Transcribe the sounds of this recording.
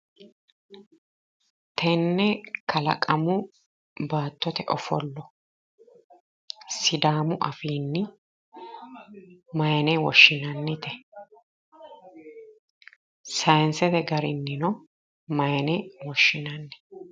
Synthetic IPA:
t̪ʰɛnːɛkʰɐlɐ̰kʼɐmʊ | baːt̪ːɔt̪ɛʔɔfɔlːɔ | sɪd̪aːmʊʔɐfiːnːɪ | mɐjnɛwɔʃːɪnɐnːɪt̪ɛ | sɐjnsɛd̪ɛɡɐɾɪnːɪnɔ | mɐjnɛwɔʃːɪnɐnːɛ̥

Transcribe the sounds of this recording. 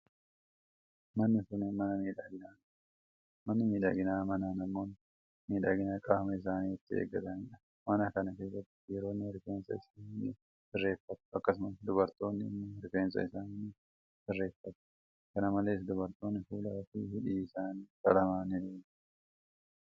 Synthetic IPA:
mɐnːɪsʊnɪmɐnɐmiːᶑaːɡɪnaːn | mɐnːɐmiːᶑa̰ːɡɪnaːmɐnaːnɐmːo̞ːn | miːᶑa̰ːɡɪnaːkʼaːfɐmɐɪs̬aːniːɪt̪ːɪḛːɡːɐt̪ɐnᶑɐ | mɐnɐkɐnɐke̞ːs̬ːɐt̪ːɪ̥jɛɾo̞ːnːɪhɪɾfeːnsɐ̰ɪsaːninːɪ̰ | sɪrːe̞ːfːɐt̪ʊ̥ɐkːɐsʊmɐsd̪ʊbɐɾt̪o̞ːnːɪnːɪɾkeːnsɐ̰ɪsaːnn | sɪrːe̞ːfːɐt̪ɐ̥ | kɐnɐmɐle̞ːs̬d̪ʊbɐɾt̪o̞ːnːɪfuːlaːfihɪᶑiːɪsaːniːkɐ̰lɐmaːnɪne̥ː

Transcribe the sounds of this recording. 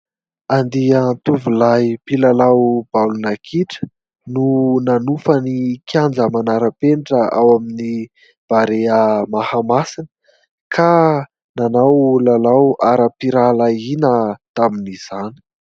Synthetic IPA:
and̪iənt̪uvulajpilalawbalunakʰiʈ͡ʂə̥ | nunanufənikʰjand͡zəmanaɾəpeɳʈ͡ʂəʔa̰wamini | b̥aɾeəmahamasinə | kʰa | nanawlalawaɾəpiɾalainət̪aminiz̥ani̥

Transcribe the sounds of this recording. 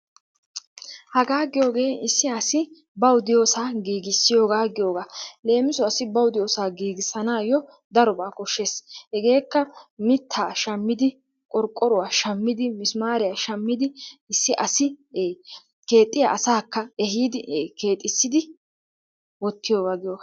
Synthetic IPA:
hɐɡaːɡɪjo̞ːɡe̞ːɪsːɪɐsɪ | bɐwʊd̪ɪjo̞ːsaːɡiːɡɪsːɪjo̞ːɡaːɡɪjo̞ːɡaːle̞ːmɪsɔɐsɪbɐwʊd̪ɪjo̞ːsaːɡiːɡɪsɐnaːjɔ | d̪ɐɾɔbaːkɔʃːeːshɛɡe̞ːkːɐmɪt̪ʰːaːʃɐmːɪd̪ɪ | kʼɔɾkʼːɔɾʊwaːʃɐmːɪd̪ɪmɪsmaːɾɪjaːʃɐmːɪd̪ɪɪsːɪʔɐsɪ | ke̞ːt̪ʼːɪja̰ʔɐsaːkːɐɛɦiːd̪ɪke̞ːt̪ʼːɪsːɪd̪ɪ | wɔt̪ːɪjo̞ːɡaːɡɪjoːɡḁ

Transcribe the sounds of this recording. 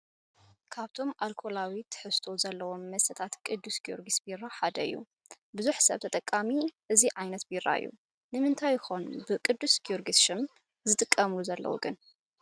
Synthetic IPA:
kʰaβt̪ʰo̞mʔalkʰo̞lawit̪ʰːħɨst̪ʰozɐlːɐwo̞mːɐsɐt̪ʰat̪kʼɨd̪ːusɡijo̰ɾɡisbiɾaħad̪ɐɨ̰jːṵ | bɨzuħsɐ̰βt̪ʰɐt̪ʼɐkʼːamiʔɨziʕajnɐt̪biɾa̰ɨ̰jːṵ | nɨmɨnt̪ʰajxo̞n̰bɨkʼɨd̪ːusɡioɾɡisʃɨm | zɨt̪ʼɨkʼːɐmluzɐlːɐ̰wṵɡɨn

